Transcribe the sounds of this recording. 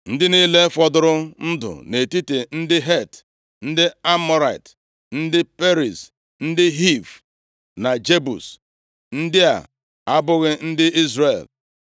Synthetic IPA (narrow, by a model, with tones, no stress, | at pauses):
n̩˦dɪ˦ni˦le˦fɔ˦dʊ˦ɾʊ˦n̩˦dʊ̰˨ne˨ti˦te˨n̩˦dɪ˦ɦe˦˨t | n̩˦dɪ˦a˦mɔ˦ɾa˨i˨t | n̩˦dɪ˦pe˦ɾi˨s | n̩˦dɪ˦ɦi˦˨v | na˨d͡ʒe˦bṵ˨s | n̩˦dɪ˦a̰˨ | a˦bʊ˦ɣɪ˦n̩˦dɪ˦i˦zre˨l